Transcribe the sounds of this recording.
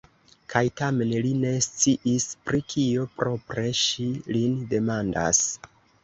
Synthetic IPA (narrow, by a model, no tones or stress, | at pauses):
kʰajtame̞nline̞st͡siʔispɾikʰiopɾo̞pɾe̞ʃilinde̞manda̰s